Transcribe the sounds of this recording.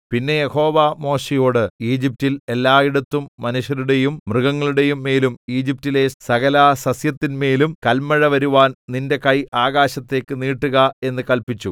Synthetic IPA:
pinːe̞jeho̞ːʋamo̞ːɕijo̞ːɽɨiːd͡ʑip̚tile̞lːaːiɽɐt̪ːumːɐnuɕjɐɾuɽe̞jummrɨɣɐŋːɐɭuɽe̞jumːe̞ːlumiːd͡ʑip̚tːile̞sɐɣɐlaːsɐsjɐt̪ːinme̞ːlumkɐlmɐɻɐʋɐɾuʋaːnninde̞kɐjʔaːɣaːɕɐt̪ːe̞ːkːɨniːʈːuɣɐe̞nːɨkɐlpit͡ɕːu

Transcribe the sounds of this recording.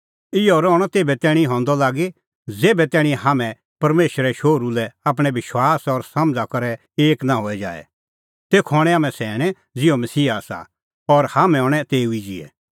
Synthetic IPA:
ɪjɔɾɔːɽ̃ɔt̪eːbɛt̪ɛːɽ̃ĩɦɔ̃ːnd̪ɔlaːɡe | d͡zeːbɛt̪ɛːɽ̃ĩɦamɛ̃ | pɐɾmeːʃɾɛʃoːɾulɛap̬ɽ̃ɛʋɪʃwaːsɔɾsɐmd͡zakɐɾɛ | eːknãɦoːɛd͡ʒa̰ːɛ̰ | t̪eːkʰɔːɽ̃ɛ̃aːmɛ̃sɛːɽ̃ɛ̃ | d͡zɪomɐsiːaːsa̰ | ɔɾhaːmɛ̃ɦɔːɽ̃ɛt̪eːuid͡ʒɪ̰ɛ̰

